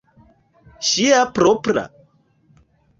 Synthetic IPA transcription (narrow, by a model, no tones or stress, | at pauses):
ʃiapɾopɾa̰